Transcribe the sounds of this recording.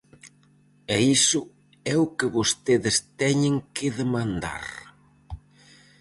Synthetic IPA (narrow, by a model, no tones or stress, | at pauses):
ɛisʊ | ɛʊkɪβost̪eðɪst̪ɛɲɪŋkɪðemãnd̪a̰ɾ